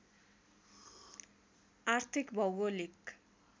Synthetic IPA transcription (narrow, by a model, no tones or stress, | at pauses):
art̪ʰikbʱʌwolik